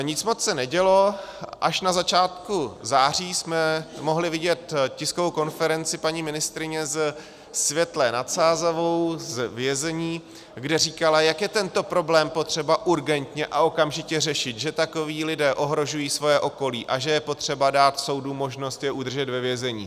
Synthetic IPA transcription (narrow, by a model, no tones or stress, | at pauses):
ɲɪt͡smot͡ssɛnɛɟɛlo̞ʔaʃnazat͡ʃaːt̪kuzaːr̝iːsmɛmo̞ɦlɪvɪɟɛt̪cɪskovowko̞nfɛɾɛnt͡sɪpaɲimɪnɪst̪ɾɪɲɛz | svjɛt̪lɛnat̪saːzavowzvjɛzɛɲiː | ɡdɛriːkalajakjɛt̪ɛnt̪o̞pɾo̞blɛːmpo̞t̪r̝̥ɛbaʔuɾɡɛnt̪ɲɛʔaʔo̞kamʒɪcɛr̝ɛʃɪt̪ʒɛt̪ako̞viːlɪdɛːʔo̞ɦɾo̞ʒujiːsvo̞jɛʔo̞ko̞liːʔaʒɛjɛpo̞t̪r̝̥ɛbadaːt̪so̞wdumo̞ʒno̞st̪jɛʔud̪rʒɛt̪vɛvjɛzɛɲḭː